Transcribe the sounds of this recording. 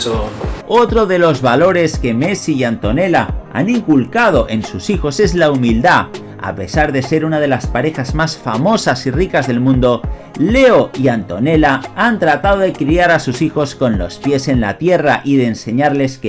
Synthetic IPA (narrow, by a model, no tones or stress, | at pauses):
o̞t̪ɾo̞ðe̞lo̞zβalo̞ɾe̞ske̞me̞sijant̪o̞ne̞laa̰niŋkulkað̞o̞ʔe̞nsusixo̞se̞zlaumild̪a | a̰pe̞saɾðe̞se̞ɾunað̞e̞laspaɾe̞xazmasfamo̞sasirikazðe̞lmũnd̪o̞ | le̞o̞iant̪o̞ne̞laant̪ɾat̪aðo̞ðe̞kɾiaɾasusixo̞sko̞nlo̞̰spje̞se̞nlat̪je̞raʔiðe̞ːnse̞ɲaɾle̞sk